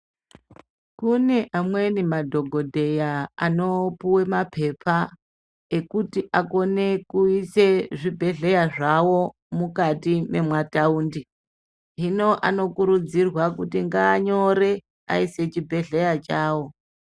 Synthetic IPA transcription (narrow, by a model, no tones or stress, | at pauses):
kune̞ʔamwe̞nimadʱo̞ɡʱo̞dʱe̞jaano̞puwe̞mapʰe̞pʰa | e̞kutiʔako̞ne̞kuise̞ʐibʱe̞ɮe̞jaʐawo̞ | mukatime̞mwatauːndi | ɦino̞ʔano̞kuɾud͡zirwakutiŋɡaːɲo̞ɾe̞ | a̰ise̞t͡ʃibʱe̞ɮe̞jat͡ʃaːwo̞